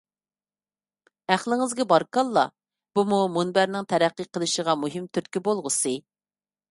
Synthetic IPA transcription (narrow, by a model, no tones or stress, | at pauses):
æχlˠɪŋɪzɡʲɛbɑɾkɑlˠːɑ̰ | b̥umumunbæɾnɪŋt̪ʰæɾæqːiqʰəlˠɨʃəʁɑmuɦɪmt̪ʰyɾt̪kʲibolˠʁəsɨ